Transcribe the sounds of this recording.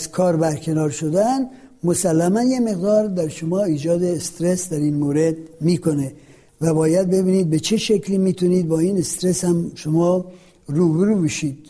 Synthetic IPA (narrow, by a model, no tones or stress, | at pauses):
zkʰɒːɾbæɾkʰe̞nɒːɾʃod̪æn | mosælːæmænjemeɣd̪ɒːɾd̪æɾʃomɒːiːd͡ʒɒːd̪eːst̪ɾesd̪æɾiːnmoːɾed̪miːkʰone | væbɒːjæd̪̚be̞biːniːd̪̚bet͡ʃʰeʃekʰliːmiːt̪ʰuniːd̪̚bɒːiːnest̪ɾeshæmʃomɒː | ɾuːbeɾuːbeʃiːd̪̥